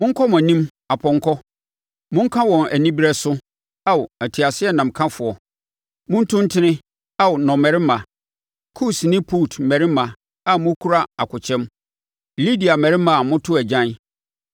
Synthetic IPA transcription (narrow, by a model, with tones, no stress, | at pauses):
mʊ̃˦ŋ̩˦kʰɔ˦mã˨nĩ˦m | a˨pʰɔ̃˨ŋ˦kʰɔ˦ | mʊ̃˦ŋ̩˦kʰã˦wɔ̃˨næ˨nĩ˦bi˦ɾɛ˦sʊ˦ | a˦wæ˨tʰi˨a˨sɪ˦ɛ˦nã˨m̩˨kʰã˦fʊ˨ɔ˨ | mʊ̃˦n̩˦tʰʊ̃˦n˦tʰɪ̃˦nɪ̃˦ | a˦wnɔ̃˨mɛ˨ɾɪ˦mã˨ | kʰu˦snɪ̃˦pʰu˦˨tʰmɛ˨ɾɪ˦mã˨ | a˨mʊ̃˦kʰu˦ɾa˦a˨kʰʊ˨t͡ɕʰɛ̃˦m | li˦di˨a˨mɛ˨ɾɪ˦mã˨mʊ̃˦tʰʊ˦æ˨d͡ʑã˦n˦